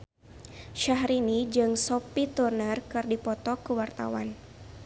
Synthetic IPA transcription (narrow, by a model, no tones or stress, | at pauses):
ʃaɦɾinid͡ʒɨŋsɔpit̪urnərkɨrdipɔt̪ɔkəwart̪a̰wa̰n